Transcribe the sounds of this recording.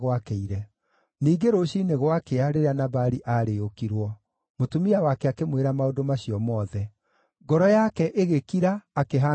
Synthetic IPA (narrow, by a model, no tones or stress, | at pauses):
ɣwakeiɾɛ | niːɡeɾoɕiːneɣwakeaɾeɾeanaβaɾiʔaɾeokiɾwɔ | motumiawakɛakemweɾamaodomaɕiɔmɔːðɛ | ɡɔɾɔjakɛʔeɣekiɾaːkeɦa